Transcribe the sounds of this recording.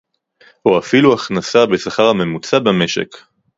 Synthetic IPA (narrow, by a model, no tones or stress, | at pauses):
oafiluaχnasabe̞saχaʁhame̞mut͡sabame̞ʃe̞̰k